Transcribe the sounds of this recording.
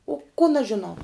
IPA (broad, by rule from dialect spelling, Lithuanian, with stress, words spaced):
oː koːn ɐʃ ʒʲɪˈnɐʊ